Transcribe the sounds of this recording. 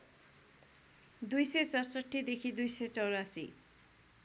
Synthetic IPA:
d̪ujsesɔsɔʈʰːid̪ekʰid̪ujset͡sɔwɾasḭ

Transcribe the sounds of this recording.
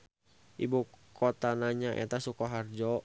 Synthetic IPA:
ʔḭbukʰɔt̪anaɲaʔɛ̰t̪asukɔɦard͡ʒɔ

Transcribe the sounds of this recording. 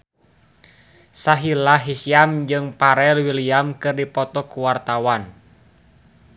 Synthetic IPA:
saɦilaɦisiamd͡ʒɨŋpaɾɛlwiliamkɨrdipɔt̪ɔkuwart̪awan

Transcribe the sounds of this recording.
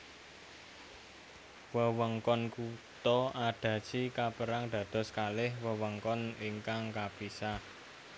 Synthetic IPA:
wəwəŋkɔnkut̪ɔʔaɖ̪̥ä̤̥t͡ʃikapəɾaŋd̪̥ä̤d̪̥ɔ̤skalɪhwəwəŋkɔniŋkaŋkab̥isa

